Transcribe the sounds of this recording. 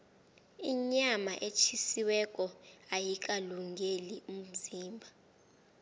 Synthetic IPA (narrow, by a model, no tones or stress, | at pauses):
iɲamaʔet͡ʃʰisiwɛk̬ʼɔajik̬ʼaluŋɡʱelium̩ziːmbʱa